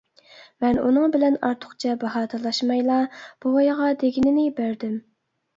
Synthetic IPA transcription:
mɛnṵnɨŋbɪlɛnɑɾt̪ʰʊ̥χt͡ʃʰɛbɑɦɑːt̪ʰɑlˠɑʃmɑjlˠɑb̥uɑjʁɑd̪eɡʲinɪnɪbæɾd̪ɪm

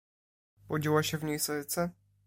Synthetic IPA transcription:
pɔd͡ʑiwaɕɛvɲejsɔɘt̪sɛ

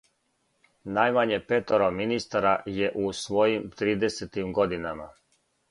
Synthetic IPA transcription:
najmaɲepet̪oɾominist̪aɾajeʔusʋo̞jimt̪ɾiːd̪eset̪imɡo̞d̪inama

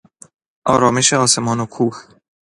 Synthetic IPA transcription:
a̰ɾomiʃaosemonokʰux

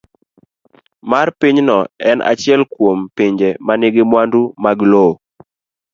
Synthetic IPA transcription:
marpiɲnɔɛna̰t͡ʃɪɛlkwompiɲd͡ʒemaneɡemwandumaɡlo

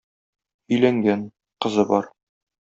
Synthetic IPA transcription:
ɵ̆jlæŋɡæn | qɤ̆zɤbɒɾ

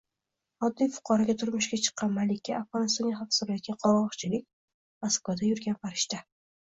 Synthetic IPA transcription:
ɒd̪ːijfʊ̥qʰɒɾaɡʲat̪ʰʊɾmʊʃɡʲat͡ʃʰɨ̥qʰːɑnmalɪkʲːaafʁɒnɪst̪ɒnɡʲaχafsbjɒt̪̚ɡʲanqʰɒɾɒχt͡ʃʰɪlɪk̚ʲ | maskvad̪ajʊɾɡʲanpaɾɪʃt̪a

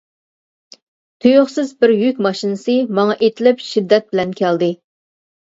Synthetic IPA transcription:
t̪ʰøjoχsɪzbɪɾjykʲmɑʃinɨsɨmɑŋɑʔet̪ʰɪlɪpʃid̪ːɛt̪̚bɪlɛnkʲʰɛld̪ɪ

